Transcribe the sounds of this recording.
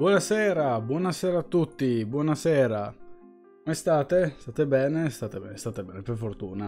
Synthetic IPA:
bwɔnasɛːɾabwɔːnasɛːɾaːt̪ːut̪ːibwɔːnasɛːɾa | komest̪aːt̪est̪aːt̪ebɛːnest̪aːt̪ebɛ̰ːnest̪aːt̪ebɛːneperfort̪uːna

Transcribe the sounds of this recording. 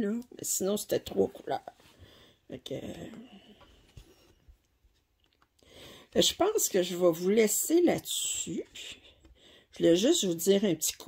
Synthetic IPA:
lɔmɛ̰sinɔ̃se̥t̪ɛt̪ʁwoku̥lœ̰ːʁ | fakʰə̰ | ɛʒəpɑ̃skəʒəvavulɛselat̪sy | ʒulɛʒʏst̪vud͡z̪ziːʁɛ̃pət̪i̥kʰ

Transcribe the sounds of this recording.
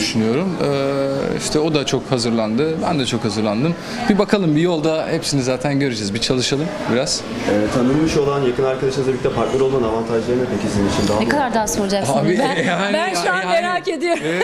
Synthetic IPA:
d̪yʃynyjo̞ɾumɯːḭʃt̪ʰɛo̞d̪at͡ʃʰo̞khazɯɾlˠand̪ɯbæ̰nd̪ɛt͡ʃʰo̞khazɯɾlˠand̪ɯm | bibakʰalˠɯmbijo̞lˠd̪ahepsinizaːt̪ʰænɟø̞ɾyd͡ʒɛzbit͡ʃʰalˠɯʃalˠɯmbiɾaz̥ | ɛvɛt̪habimiʃo̞lˠanjakɯnaɾkad̪aʃɯnzʰabic̚ʲt̪ʰʲɛpʰaɾt̪neɾolˠmanavant̪ʰaʒlˠaɾɯnapʰecʰisd̪ininit͡ʃʰind̪anɛkʰad̪aɾd̪aːsoɾd͡ʒakabihaænʃuanmeɾaːked̪ijo

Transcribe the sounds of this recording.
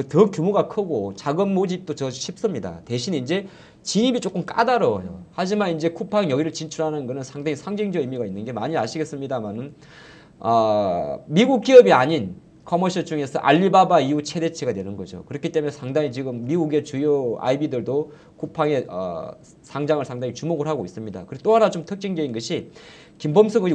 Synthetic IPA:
kɯtʌk͈jomuɡakʰɯɡot͡ɕaɡɯmːod͡ʑip̚t͈ot͡ɕʌɕʰip̚s͈ɯmɲida̰te̞ɕʰineind͡ʑe̞ | t͡ɕiɲibit͡ɕ͈ok͈ɯmk͈a̰daɾʌjo̰had͡ʑimanind͡ʑe̞kʰupʰaŋjʌɡiɾɯɭt͡ɕint͡ɕʰuɾɦanɯnɡʌnɯnsʰaŋdaŋisʰaŋd͡ʑiŋd͡ʑʌimiɡainːɯnɡe̞maɲiaɕʰiɡe̞s͈ɯmɲidamanɯn | ʌ | miɡuk̚k͈iʌbiaɲin | kʰʌmoɕʰʌt͡ɕuŋe̞sʰʌ̰ʔa̰ʎːibabaiut͡ɕʰe̞de̞t͡ɕʰeɡadwe̞nɯnɡʌd͡ʑo̰kɯɾʌkʰit͈e̞mujesʰaŋdaŋit͡ɕiɡɯmːiɡuɡe̞t͡ɕujoa̰ibidɯɭdo | kʰupʰaŋe̞ʌ̰ | sʰaŋd͡ʑaŋɯɭsʰaŋdaŋit͡ɕumoɡɯɭɦaɡois͈ɯmɲida̰kɯɾet͈oɦanat͡ɕomtʰɯk̚t͡ɕ͈iŋd͡ʑeinɡʌɕʰi | kimbʌmsʰʌŋɯ

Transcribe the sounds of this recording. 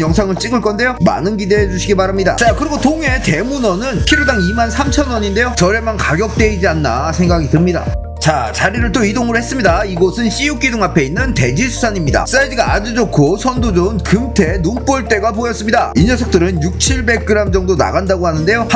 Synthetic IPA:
jʌŋsʰaŋɯɭt͡ɕ͈iɡɯɭk͈ʌnde̞joma̰nɯnɡide̞ɦed͡ʑuɕʰiɡibaɾamɲida̰t͡ɕakɯɾiɡotoŋɦe̞te̞munʌnɯnpʰiɾodaŋimansʰamt͡ɕʰʌnwʌɲinde̞jot͡ɕʌɾe̞mankaɡjʌk̚t͈e̞id͡ʑianːa̰sʰe̞ŋɡaɡidɯmɲida̰ | t͡ɕat͡ɕaɾiɾɯɭt͈oidoŋɯɭhe̞s͈ɯmɲidaiɡʌsʰɯnɕ͈ijuk͈idɯŋapʰe̞inːɯnte̞d͡ʑisʰu̥sʰaɲimɲida̰s͈aediɡaad͡ʑid͡ʑokʰosʰʌndod͡ʑonkɯmtʰe̞nump͈oɭt͈e̞ɡapojʌs͈ɯmɲida̰inʌsʰʌk̚t͈ɯɾɯnjuk̚t͡ɕʰiɭbe̞k̚k͈ɯɾamd͡ʑʌŋdona̰ɡandaɡoɦanɯnde̞jo

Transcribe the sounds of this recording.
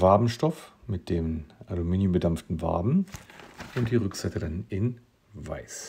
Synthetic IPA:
vaɐbm̩ʃtɔfmɪt̚d̥eːmʔalumiːnjʊmbədamftn̩va̰ɐbm̩ | ʔʊnt̚d̥iːʁʏkz̥aɪtədanɪn | va̰ɪs

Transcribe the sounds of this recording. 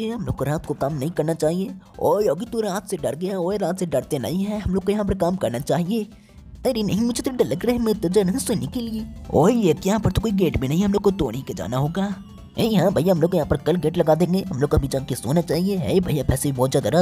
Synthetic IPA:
eɦɐmloːɡkoɾaːt̪̚kokaːmnɐɦĩkɐɾnat͡ʃaːɦieː | o̰ːoːɡit̪oɾaːt̪ʰseɖɐɽɡɐjaoːɾaːt̪seɖɐɽt̪enɐ̰ɦĩɦɛ̃ɦɐmloːɡ̚kojɐɦãp̬ɐɾkaːmkɐɾnat͡ʃaːɦieː | ɐɾenɐɦĩmʊd͡ʒʱet̪oɖɐləɡɾɐɦemet̪ːɐd͡ʒɐnɦsenɪkelieːo̰ːiekjɐɦãpɐɾt̪okoːiɡeːʈbʱinɐɦĩɦɛɦɐmloːɡkot̪o̰ːɽ̃iked͡ʒa̰ːnaɦoːɡaː | ɦeːɦãːbʱɐjaɦɐmloːɡkːjɐɦãpɐɾkɐlɡeːʈlɐɡaːd̪ẽːŋɡeːɦɐmloːɡɐbʱid͡ʒaːkeso̰ːnat͡ʃaːɦieɦḛːbʱɐijapɛːsebʱibɔːt̪d͡ʒaːd̪aɾa

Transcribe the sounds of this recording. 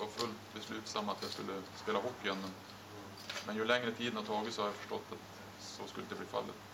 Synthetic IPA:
vaɾfɵlt̪bɛslʉːt̪samːat̪jɑskɵlːəspeːlaɦɔpːɪœnːən | mɛnjɵlɛŋɾət̪ʰiːd̪nhat̪ʰɑːɡɪt̪sɔhad̪jafœ̥ʂʈɔt̪ːat̪ | sɔskɵlːəd̪ɛbliːfa̰lːɪ̰t̪

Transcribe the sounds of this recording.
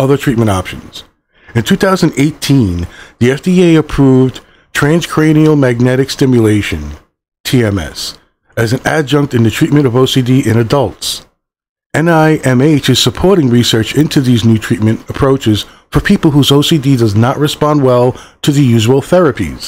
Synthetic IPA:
ʌðə˞tʰɹ̥it̚mɨ̃ɾ̃tɑpʃɨ̰̃n̩z̥ | ɨ̃ntʰʉθaʊzɨ̃n̩deɪtʰĩnðiɛfd̥ieɪɨpʰɹ̥uvd | tʰɹ̥æ̃nz̥kʰɹ̥ẽɪ̃ñil̩ˠmæɡ̚nɛɾɨkstɪ̃mjɨleɪʃɨ̰̃n | tʰiɛ̃mɛ̰s | ɨzɨ̃n̩æd͡ʒʌ̃ŋk̚tɨ̃ntɨtʰɹ̥it̚mɨ̃ɾ̃ʌvoʊsidiʔɨ̃ñɨdʌlˠts | ɛ̃naɪʔɛ̃meɪt͡ʃɨz̥səpʰɔɹɾɪ̃ŋɹisɜ˞t͡ʃɪ̃ntʰʉðiznʉtʰɹ̥it̚mɨ̃nəpʰɹ̥oʊt͡ʃɨz̥ | fə˞pʰipl̩ˠɦuzoʊsididʌznəʔ̚ɹɨspɑ̃nd̚wɛlˠtʰɨðɨjʉʒəwl̩ˠθɛɹɨpḭz̥

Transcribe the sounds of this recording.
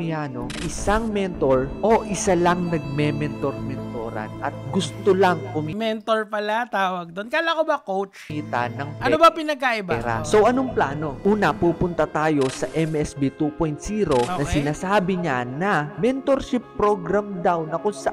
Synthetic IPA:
ɪjaːno̰ʔɪsaŋmɛnt̪o̞ɹʔo̞ʔɪsalɐŋnɐɡ̚mɛmɛnt̪oɾmɛnt̪oːɾɐ̰nʔɐt̪̚ɡʊst̪olɐŋkʊmimɛnt̪oɹpɐlat̪aːwɐɡ̚d̪onkajlakobɐkowt͡ʃiːt̪ɐ̰nɐŋpʔɐnobɐpɪnɐɡ̚kaʔɪbaɛɾa̰so̞wʔɐnoŋplaːno̞ʔuːnɐpuːpʊnt̪ɐt̪aːjo̞sɐʔɛmʔɛsbit̪upojnt̪siːɾo̞nɐsɪnaːsaːbɪɲanɐmɛnt̪o̞ɾʃɪpːɾoɡɾamd̪awnɐkʊŋsɐʔ

